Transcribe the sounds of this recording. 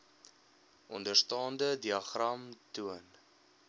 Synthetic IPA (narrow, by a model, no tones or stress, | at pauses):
ʔɔ̰ndərstɑːndədiɐχrɐmtuən